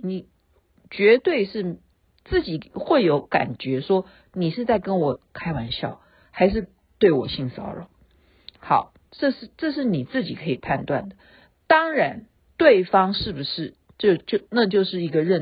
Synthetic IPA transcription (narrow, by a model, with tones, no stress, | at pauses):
ni˨˩ | t͡ɕɥɛ˧˥t̪we˥˧ɪʂɻ̩˥˩ | t͡sɹ̩˥˩t͡ɕi˨˩xwe˥˩ɪjo˧˥ʊka̰˨˩nt͡ɕɥɛ˧˥ʂwɔ˥ | ni˨˩ʂɻ̩˥˧t͡sa˥˩ɪkə˥nwɔ˨˩kʰa˥ɪwa˧˥nɕjɑ̰˥˩ʊ | xa˧˥ɪʂ̬ɻ̩˥˧ | t̪we˥˩ɪwɔ˨˩ɕi˥˩ŋsɑ̰˨˥ʊlə˩ | xɑ˨˩˦ʊ | ʈ͡ʂɤ˥˧ʂɻ̩˥˧ʈ͡ʂɤ˥˧ʂ̬ɻ̩˥˩ni˨˩t͡sɹ̩˥˩t͡ɕi˨˩kʰɤ˧˥i˨˩pʰa˥˧nt̪wa̰˥˩nd̪ə˩ | t̪ɑ˥ŋɻa˧˥n | t̪we˥˩ɪfɑ˥ŋʂɻ̩˥˩bu˨˩ʂɻ̩˥˩ | ʈ͡ʂo˥˧ʊt͡ɕjo˥˧ʊna˥˧t͡ɕjo˥˧ʊʂɻ̩˥˩i˧˥ɡə˧ɻə˥˧˩n